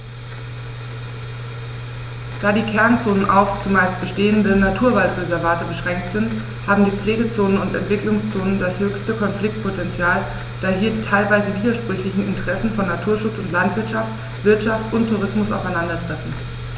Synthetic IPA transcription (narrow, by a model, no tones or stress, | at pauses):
d̥aːdiːkʰɛɐnt͡soːnənʔa̰ʊft͡sʊmaɪst̚b̥əʃteːəndənatʰuːɐvaltʁɛzɛɐvaːtəbəʃʁ̥ɛŋk̚tz̥ɪnt | haːbm̩diːp͡fleːɡət͡soːnənʊntɛ̰ntv̥ɪklʊŋst͡soːnəndashøːçstəkʰɔnflɪk̚t̚pʰotɛnt͡sjaːl | d̥aːɦiːɐdiːtʰaɪlvaɪzəviːdɐʃpʁ̥ʏçlɪçn̩ɪ̰ntəʁɛsn̩fɔnːatʰuːɐʃʊt͡sʊntlantv̥ɪɐtʃaft | v̥ɪɐtʃaftʔʊntʰːuʁ̞ɪsmʊsʔa̰ʊfaɪnandɐdʁ̥ɛtn̩